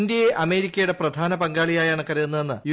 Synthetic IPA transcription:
nd̪jɐjeʔɐme̞ːɾikʲːɐjuɽe̞prɐd̪ʱaːnɐpɐŋɡaːɭijaːjaːɳɨkɐɾijunːenːɨj

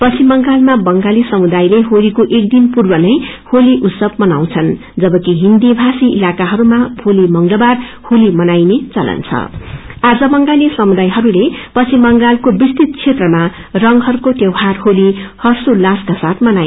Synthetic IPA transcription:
pʌt͡sʰimʌŋɡalmabʌŋɡalisʌmud̪ajleɦolikoʔek̚d̪inpurbʌnʌjholiʔut̪sʌb̚mʌnaw̃t͡sʰʌn | d͡zʌbʌkiɦind̪ibʱasiḭlakaɦʌɾumaholimʌŋlʌbar | holimʌnajnet͡sʌlʌ̰nt͡sʰʌ̰ad͡zʌbʌŋɡalisʌmud̪ajɦʌɾulepʌt͡sʰimʌŋɡalkobist̪it̪̚t͡sʰet̪rʌma | rʌŋɦʌɾukoʈewɦarɦolihʌrsolaskasat̪̚ʰmʌnaj

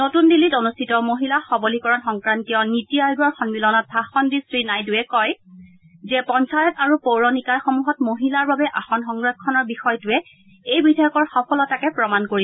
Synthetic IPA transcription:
notundilːitonustʰitɔmoɦilaxɔbolikɔɹɔnxɔŋkɹantijɔnitiajɡɔɹxɔnbilɔnɔt̚bʱaxɔndisɹinajduɛkɔj | zɛpɔnsajɔtaɹupowɹɔnikaɹxɔmuɦɔtmoɦilaɹbabɛʔaxɔnxɔŋɡɹɔkʰːɔnɔɹbixɔjtʊɛ | ejbidʱajɔkɔɹxɔpʰɔlɔtakɛpɹɔmankoɹi

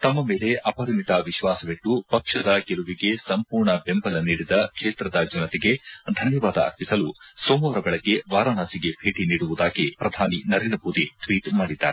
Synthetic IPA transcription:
t̪ɐmːɐme̞ːle̞ʔɐpɐɾimit̪ɐʋiʃʋaːsɐʋeʈːupɐkʂɐd̪ɐɡeluʋiɡe̞sɐmpuːɾɳɐbembɐlɐniːɽid̪ɐkʂeːt̪ɾɐd̪ɐd͡ʒunɐt̪iɡe̞d̪ʱɐnjɐʋaːd̪ɐɐ̰ɾpisɐlusoːmoːɾɐɡɐɭɐɡːe̞ʋaːɾɐnaːsiɡe̞bʰʱeːʈiniːɽuʋud̪aːɡipɾɐd̪ʱaːninɐɾeːnd̪ɾɐmoːd̪iʈʋiːʈmaːɽid̪ːa̰ːɾe

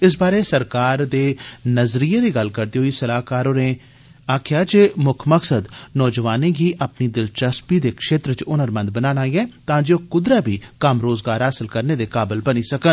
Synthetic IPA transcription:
ɪs̬baːɾeːsəɾkaːɾd̪eːnəzɾiːeːd̪iːɡəlkəɾd̪iːɦoiːsəlaːkaːɾoːnẽː | aːkʰjaːd͡ʒeːmʊkʰməksəd̪nɔːd͡ʒʋaːnẽːɡiːʔaːpniːd̪ɪlt͡ʃəspiːd̪eːkʃeːt̪ɾət͡ʃʊnəɾmə̃nd̪̚bənaːɽ̃aːiːɛ̃ːt̪ãːd͡ʒeːokʊd̪ɾaːbʱiːkəmɾoːzɡaːɾɦaːsɪlkəɾneːd̪eːkaːbəlbəniːsəkən

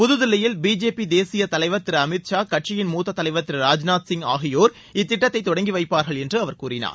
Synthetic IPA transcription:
pʊðʊðɪlːɐjɪlbiːd͡ʒeːpid̪eːsɪjɐt̪ɐlɐɪʋɐt̪ːɪɾɐmɪt̪t͡ʃaːkɐʈ̚t͡ʃːʂɪjɪnmuːt̪ːɐt̪ːɐlɐɪʋɐt̪ːɪɾɐɾaːd͡ʒnaːt̪sɪŋɡa̰ːɣɪjoːɾ | ɪt̪ːɪʈːɐt̪ːɐɪt̪ːɔɽɐŋɡiʋɐɪpːaːɾɣɐɭɛndrɯɐʋɐɾkuːrɪna̰ːɾ

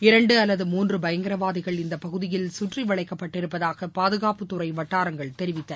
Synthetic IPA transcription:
ɪɾɐɳɖɯɐlːɐðɯmuːndrɯbɐjɐŋɡɪɾɐʋaːðɪɣɐɭɪnd̪ɐpɐɣɯðɪjɪlsʊʈriʋɐɭɐɪkːɐpːɐʈːɪɾɯpːɐðaːɣɐpaːðɯɣaːpɯt̪ːʊɾɐɪʋɐʈːaːɾɐŋɡɐɭt̪ɛɾɪʋɪt̪ːɐɾ

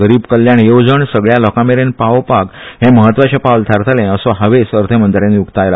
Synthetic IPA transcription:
ɡəɾiːbkəljaɳjod͡zəɳsəɡɭjalɔkameɾenpaʋpakɦẽməɦət̪ːʋat͡ɕepawlt̪ʰaɾt̪ʰalẽəsɔɦəʋesəɾt̪ʰəmənt̪ɾẽniukt̪ajla

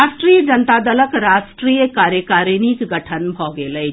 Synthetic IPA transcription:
asʈɾijəd͡ʒənt̪ad̪ələkɾaːsʈɾiːjəkaːɾjəkaːɾnikɡəʈʰənbʱɔɡeləj

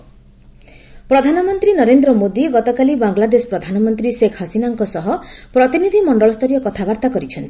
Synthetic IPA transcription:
pɾɔd̪ʱanɔmɔnt̪ɾinɔɾend̪ɾɔmod̪iɡɔt̪ɔkalibaŋɡlad̪esɔ̥pɾɔd̪ʱanɔmɔnt̪ɾisekʰɦasinaŋkɔsɔɦɔpɾɔt̪inid̪ʱimɔɳɖɔlɔst̪ʰɔɾijɔkɔt̪ʰabaɾt̪akɔɾit͡ʃʰɔnt̪ʰi

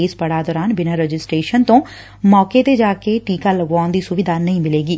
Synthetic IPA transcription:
eːspəɽaːd̪ɔːɾaːnbɪnaːɾəd͡ʒɪsʈɾeːʃənt̪õː | mɔːket̪eːd͡ʒaːkeːʈiːkaːləɡaːʊnd̪iːsʊʋɪd̪aːnəĩːmɪleːɡiː

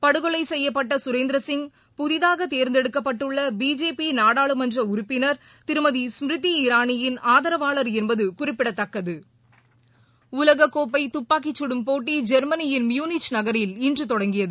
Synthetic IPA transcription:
pɐɽɯɣɔlɐɪsɛjːɐpːɐʈːɐsʊɾeːnd̪ɾɐsɪŋɡ | pʊðɪðaːɣɐt̪eːɾnd̪ɛɽɯkːɐpːɐʈːɯɭːɐbiːd͡ʒeːpinaːɽaːɭɯmɐndrɐʊɾʊpːɪnɐɾ | t̪ɪɾɯmɐðismɾɯt̪ːiɪɾaːnɪjɪnaːðɐɾɐʋaːɭɐɾɛnbɐðɯkʊrɪpːɪɽɐt̪ːɐkːɐðɯ | ʊlɐɣɐkːoːp̬ːɐɪt̪ʊpːaːkɪt͡ʃːɪɽɯmpoːʈːid͡ʒɛɾmɐnɪjɪnmjuːnɪt͡ʃnɐɣɐɾɪlɪndrɯt̪ɔɽɐŋɡɪjɐðɯ

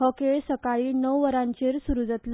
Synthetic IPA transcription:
ɦokeɭsəkaɭiːnəwʋəɾãɲt͡ɕeɾsuɾud͡zət̪l

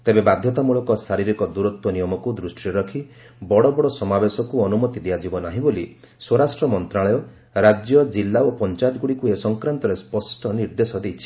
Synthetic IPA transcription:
t̪ebebad̪ʱjɔt̪amuɭɔkɔsaɾiɾikɔd̪uɾɔt̪wɔnijɔmɔkud̪ɾusʈiɾɔkʰi | bɔɽɔbɔɽɔsɔmabesɔkuɔnumɔt̪id̪iad͡ʒibɔnaɦĩboli | swɔɾasʈɾɔmɔnt̪ɾaɭɔjɔ | ɾad͡ʒjɔd͡ʒilːaopɔnt͡ʃajɔt̪ɡuɽikuesɔŋkɾant̪ɔɾespɔsʈɔniɾd̪esɔd̪ejt͡ʃʰi̥

